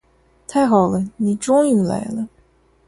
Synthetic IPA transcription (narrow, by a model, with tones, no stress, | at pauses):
t̪ʰa˥˩ɪxɑ˨˩ʊlə˦ni˨˩ʈ͡ʂʊ˥ŋy˥˨˩la̰˧˥ɪlə˧